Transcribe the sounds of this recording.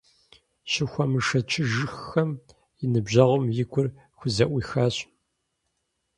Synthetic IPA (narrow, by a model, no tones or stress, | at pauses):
ɕɪxʷɐmɨʂɐt͡ʃʰɪʒɨxːɐm | jɪnɨbʑɐʁʷʊmjɪɡʷʼʊr | xʷʊzɐʔʷixaːɕ